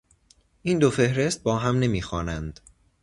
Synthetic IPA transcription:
ʔiːnd̪ofe̞hɾe̞st̪̚bɒːɦæmne̞miːxɒːnænd̪̥

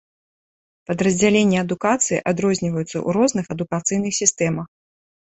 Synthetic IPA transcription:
pɐd̪ɾɐzʲd͡zʲalʲenʲːɛɐd̪ukat̪sɨjḭʔad̪ɾɔzʲnʲivɐjut̪sːɐ̰ʔṵɾɔznɨxɐd̪ukat̪sɨjnɨxsʲist̪ɛmɐx

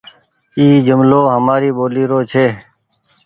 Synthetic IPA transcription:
iːd͡ʒʊmloːɦəmaːɾiːboːliːɾoːt͡ʃʰeː

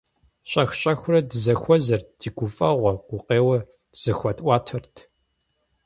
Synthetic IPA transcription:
ɕʼɐxɕʼɐxʷʊrɐdɨzɐxʷɔzɐrd̥iːɡʷʊfʼɐʁʷɔɡ̥ʷʊqeːwɐ | z̥ɨxʷɐtʼʔʷɑːtʰɐrtʰ

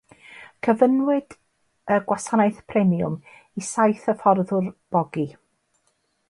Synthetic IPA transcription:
kʰəvənwɪd̥ | əɡwasanaɨθpʰrɛmiʊ̰m | isajθəfɔrðʊrb̥ɔɡi

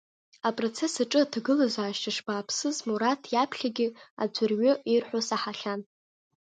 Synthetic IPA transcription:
apʼro̞t͡sʰesaʈ͡ʂʼɨatʰɡɨlazʷaːʃtʰaʂbaːpʰsɨzmuɾatʰjapʰɬʲaɡʲɪa̰d͡ʒʷʰʊrɥʏirħʷᶣosaħaɬʲan

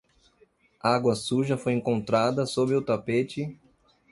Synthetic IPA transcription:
aɡwɐsuʒɐfojẽŋkõnt̪ɾad̪ɐsobɪʊt̪apet͡ʃɪ

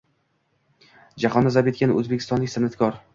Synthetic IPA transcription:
d͡ʒaχɒnːazabet̪kʲanɵzbekʲʰɪ̥st̪ɒnlɪkʲsɪnat̪kʰʲɒɾ

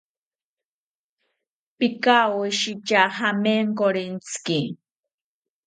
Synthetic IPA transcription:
pikawuʃit͡ʃahameŋkoɾint͡ski

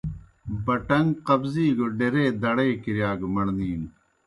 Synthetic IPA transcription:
bɐʈɐŋɡqɐbziːɡoɖeɾeːd̪ɐɽeːkiɾjaːɡmɐɽniːn

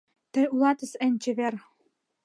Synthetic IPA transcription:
t̪ɘ̆ulɑt̪ɤ̆sɘ̆nʲt͡ɕɘ̆βer

